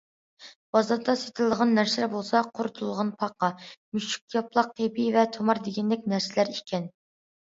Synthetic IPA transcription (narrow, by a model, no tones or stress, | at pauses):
b̥ɑzɑɾd̪ɑset̪ʰɪlˠd̪əʁɑnːæɾsɪlæɾbolˠsɑqʰoɾʊt̪ʰulˠʁɑnpʰɑqːɑmyʃy̥k̚ʲjɑplˠɑq̚t̪ʰebivɛt̪ʰomɑɾd̪eɡʲɛnd̪ɪk̚ʲnæɾsɪlæɾikʲɛn